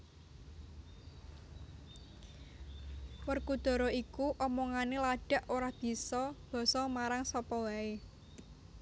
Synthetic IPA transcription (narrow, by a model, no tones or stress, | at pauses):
wərkud̪̥ɔ̤ɾɔikuʔɔmɔŋanelaɖ̥a̤ʔoɾab̥i̤sɔb̥ɔ̤sɔmaɾaŋsɔpɔwae